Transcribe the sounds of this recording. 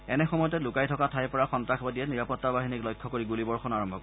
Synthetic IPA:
ɛnɛxɔmɔjɔtɛlʊkajtʰɔkatʰajpɔɹaxɔntɹaxbadiɛniɹapɔtːabaɦiniklɔjkʰːɔkoɹiɡulibɔɹxɔnaɹɔmbʱɔkɔ

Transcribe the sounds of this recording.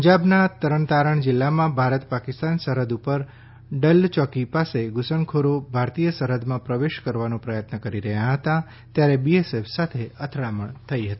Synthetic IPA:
d͡ʒabnat̪əɾəɳt̪aɾəɳd͡ʒɪlːamãbʱaɾət̪pakɪst̪ansəɾəd̪upəɾ | ɖəlt͡ʃɔkipaseɡʊsəɳkʰoɾobʱaɾt̪ijəsəɾəd̪mãpɾəʋeʃkəɾʋanõpɾəjət̪nəkəɾiɾəɦjaɦət̪a | t̪jaɾebiesefʰsat̪ʰeət̪ʰɽaməɳt̪ʰəiɦət̪i

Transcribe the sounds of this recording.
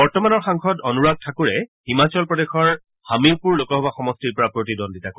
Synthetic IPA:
bɔɹtɔmanɔɹxaŋxɔtonuɹaɡ̚tʰakuɹɛhimat͡ɕɔlpɹɔdexɔɹ | hamiɹpuɹlokɔɦɔbaxɔmɔstiɹpɔɹapɹotidɔnditakɔ

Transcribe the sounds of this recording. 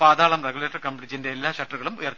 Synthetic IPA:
paːðaːɭɐmreɡuleːʈːɐrkɐmpɐʈid͡ʑinde̞ːlːaːɕɐʈruɣɐɭumṵjɐr

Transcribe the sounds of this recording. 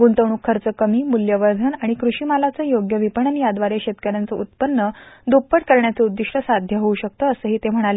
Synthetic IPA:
ɡunt̪əʋɳ̃ukʰːəɾt͡səkəmiːmuljəʋəɾd̪ʱənaɽ̃ikɾuɕiːmalat͡səːjoɡjəʋipəɳənjad̪ʋaɾeɕet̪kəɾjant͡səut̪̚pənːəd̪opːəʈ̚kəɾɳjat͡seud̪ːiʂʈəsad̪ʱjəɦouɕək̚t̪əəsəːɦiːt̪em̤əɽ̃ale

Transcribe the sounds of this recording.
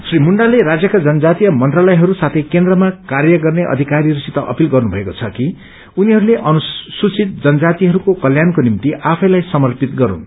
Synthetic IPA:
srimuɳɖaleɾad͡zjʌkad͡zʌnʌd͡zat̪ijʌmʌnt̪ralʌjɦʌɾusat̪ʰʌjkend̪rʌmakarjʌɡʌrneʔʌ̰d̪ʱikaɾiɾusit̪ʌʔʌ̰pilɡʌrnubʱʌekot͡sʰʌki | uniɦʌɾuleʔʌnusut͡sit̪̚d͡zʌnʌd͡zat̪iɦʌɾukokʌljankonimt̪iʔapʰʌjlajsʌmʌrpit̪ɡʌɾṵn

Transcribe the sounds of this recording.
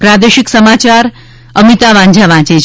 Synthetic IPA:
pɾad̪eʃiksəmat͡ʃaɾ | əmit̪aʋãɲd͡ʒʱaʋãt͡ʃe

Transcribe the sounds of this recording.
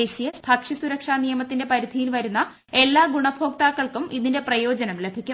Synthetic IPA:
eɕijɐbʱɐkʂisuɾɐkʂaːnijɐmɐt̪ːinde̞pɐɾid̪ʱijilʋɐɾunːɐ | e̞lːaːɡuɳɐbʱo̞ːk̚t̪aːkːɐɭkumiðinde̞prɐjo̞ːd͡ʑɐnɐmle̞bʱikʲːu

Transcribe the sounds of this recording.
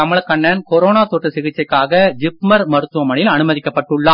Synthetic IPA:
ɐmɪɭɐkːɐɳːɐnkɔɾoːnaːt̪oːʈrɐsɪɣɪt͡ʃːɐɪkːaːɣɐd͡ʒɪpmɐɾmɐɾɯt̪ːɯʋɐmɐɳɪlɐnɯmɐðɪkːɐpːɐʈːɯɭːaː

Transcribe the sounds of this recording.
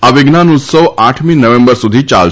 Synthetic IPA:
aʋɪɡnanut̪səʋaʈʰminəʋẽmbəɾsud̪ʱit͡ʃa̰l

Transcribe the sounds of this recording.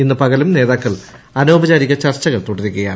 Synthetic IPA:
inːɨpɐɣɐlumne̞ːðaːkːɐɭ | ɐno̞ːbɐd͡ʑaːɾiɣɐt͡ɕɐrt͡ɕːɐɣɐɭt̪uɽɐðikːɐjaː

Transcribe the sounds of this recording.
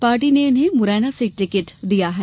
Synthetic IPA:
paːɾʈiːneʊnẽːmʊɾɛːnaːsiʈɪkɪʈd̪ijaːɦɛː

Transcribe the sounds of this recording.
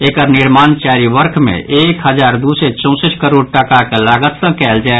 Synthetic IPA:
eːkəɾnɪɾmaːnt͡ʃaːɾiʋəɾkʰmḛ̃ʔeːkɦəd͡ʒaːɾd̪uːset͡ʃɔ̃ʊsəʈkəɾoːɖ̚ʈəkakelaːɡət̪sə̃kɛːld͡ʒaːe

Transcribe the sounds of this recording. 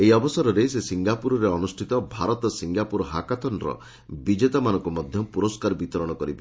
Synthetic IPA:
eiɔbɔsɔɾɔɾesesiŋɡapuɾɔɾeɔnusʈʰit̪ɔbʱaɾɔt̪ɔsiŋɡapuɾɔɦakat̪ɔnɾɔ̰ | bid͡ʒet̪amanɔŋkumɔd̪ʱjɔpuɾɔskaɾɔbit̪ɔɾɔɽ̃ɔkɔɾibe

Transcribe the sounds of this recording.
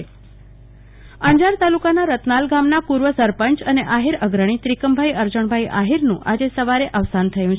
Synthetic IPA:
ə̃ɲd͡ʒaɾt̪alukanaɾət̪nalɡamnapuɾʋəsəɾpənt͡ʃəneʔaɦiɾəɡɾəɳ̃it̪ɾikəmbʱajəɾd͡ʒəɳ̃bʱajiʔa̰ɦiɾnũʔad͡ʒesəʋaɾeʔəʋsant̪ʰəjũt͡ʃʰ

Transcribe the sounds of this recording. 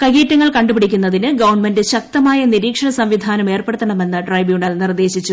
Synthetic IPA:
kɐɣeːtːɐŋːɐɭkɐɳɖupiɽikʲːunːɐðinɨɡɐʋɐɳmendɨɕɐk̚t̪ɐmaːjɐniɾiːkʂɐɳɐsɐmʋid̪ʱaːnɐme̞ːrpeɽut̪ːɐɳɐme̞nːɨɖrɐjbjuːɳɐlnird̪e̞ːɕit͡ɕːu

